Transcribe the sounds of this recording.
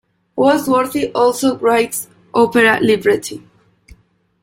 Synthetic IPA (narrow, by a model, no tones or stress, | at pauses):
wɔzwəɹθiʔɔlˠsoɹaɪts | ʔɔpɛɾalɪbɹətʰi